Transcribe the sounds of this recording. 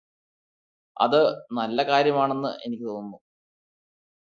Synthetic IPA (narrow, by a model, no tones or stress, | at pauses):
ɐ̰ðɨnɐlːɐkaːɾjɐmaːɳe̞nːɨ̰ʔe̞nikʲːit̪onːu